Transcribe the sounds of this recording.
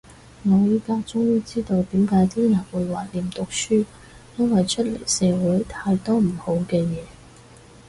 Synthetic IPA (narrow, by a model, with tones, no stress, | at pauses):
ŋɔː˨˧jiː˥kaː˧kt͡sʊ˥ŋjiː˥t͡siː˥t̪o˧wt̪iː˨˥mkaː˨˧˥jt̪ʰiː˥jɐ˨nwuː˨˧jwaː˨˩liː˨mt̪ʊ˨k̚syː˥ | jɐ˥nwɐ˨jt͡ʃʰɵ˥t̚le˨˩jsɛː˨˧wuː˨˥jt̪ʰaː˧jt̪ɔː˥m̩˨˩ho˨˥wkɛː˧jɛː˨˧